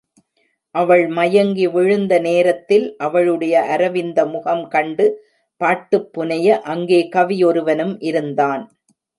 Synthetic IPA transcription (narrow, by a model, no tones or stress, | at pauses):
ʔɐʋɐɭmɐjɐŋɡiʋɪɻɯnd̪ɐneːɾɐt̪ːɪlʔɐʋɐɭɯɽɐjɐʔɐɾɐʋɪnd̪ɐmʊɣɐmkɐɳɖɯ | paːʈːɯpːʊnɐjɐʔɐŋɡeːkɐʋɪjɔɾɯʋɐnɯmʔɪɾɯnd̪aːn